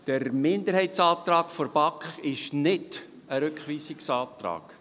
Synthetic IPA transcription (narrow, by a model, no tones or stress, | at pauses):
d̥əɾmɪnd̪əɾhɛɪtsɑːt̪rɑːkfɔɾbɑkχɪʃnɪd | əɾʉkχʋiːsɪksɑːtɾɑ̰ːk